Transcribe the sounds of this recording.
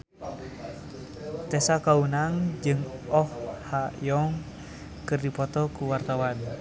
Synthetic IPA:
t̪ɛsakaunaŋd͡ʒɨŋɔhhajɔŋ | kɨrdipɔt̪ɔkuwart̪awan

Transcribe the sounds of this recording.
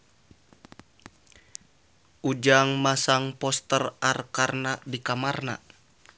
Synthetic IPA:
ʔud͡ʒaŋmasaŋpɔst̪ərarkarnadikamarna̰

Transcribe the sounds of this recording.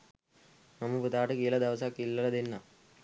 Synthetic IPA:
nɐmuput̪aːʈukiːlɐd̪ɐʋsakːilːɐlɐd̪inːɐ

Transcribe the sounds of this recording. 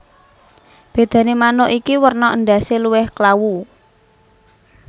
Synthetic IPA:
b̥e̤d̪̥ä̤nemanoʔikiwərnɔʔənɖaseluwɪhklawu

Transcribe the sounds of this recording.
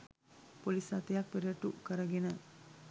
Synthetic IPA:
polisat̪ejak̚peɾiɐʈukəɾəɡenə

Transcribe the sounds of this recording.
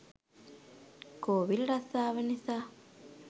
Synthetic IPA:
koːʋilɾasaːʋɐnisa

